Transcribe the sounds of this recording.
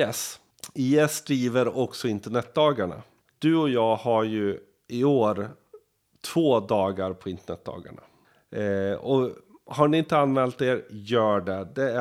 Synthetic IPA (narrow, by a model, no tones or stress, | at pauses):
ɛs | iɛsːd̪ɾiːvəɾɔksɔɪnt̪əɳɛt̪̚d̪ɑːɡaɳa̰ | d̪̥ɵɔjɑːɡhaɾjɵ | ɪoːɾ | t̪ʰv̥oːd̪ɑːɡaɾpʰɔɪnt̪əɳɛt̪̚d̪ɑ̰ːɡa̰ɳa̰ | ɔ | haɳɪɪnt̪əanːmɛːlt̪eːɾjœːɖɛd̪ɛ